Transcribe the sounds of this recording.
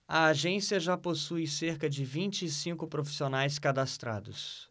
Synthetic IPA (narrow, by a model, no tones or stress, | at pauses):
ɐaʒẽsiɐʒaposujseɾkɐd͡ʒɪvĩt͡ʃɪːsĩŋkʊpɾofi̥sionajs̬kad̪ast̪ɾa̰d̪ʊs